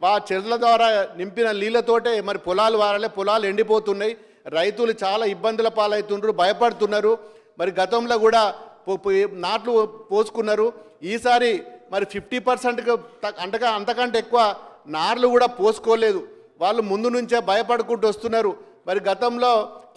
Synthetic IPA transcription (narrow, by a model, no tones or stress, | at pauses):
ʋaːt͡ʃɛɾɐlɐd̪ʋaːɾaːnimpinɐliːlɐt̪o̞ːʈe̞ːmɐɾipɔlaːluʋaːɾɐleːpɔlaːle̞ɳɖipo̞ːt̪unːaːji | ɾɐjt̪ulut͡ʃaːlaːibːɐnd̪ɐlɐpaːlɐjt̪unɾubʱɐjɐpɐɽut̪unːaːɾu | mɐɾiɡɐt̪ɐmlo̞ːkuːɽaːpnaːʈlupo̞ːsu̥kunːaːɾu | iːsaːɾimɐɾipʰipʰʈiːpɐɾseɳʈkit̪ɐɐnt̪ɐkɐɐnt̪ɐkɐɳʈeːkːuʋaːnaːɾlukuːɽaːpo̞ːsu̥koːle̞ːd̪u | ʋaːɽːumund̪unuɲt͡ʃe̞ːbʱɐjɐpɐɽukuɳʈuɐst̪unːaːɾu | mɐɾiɡɐt̪ɐmlo̞ː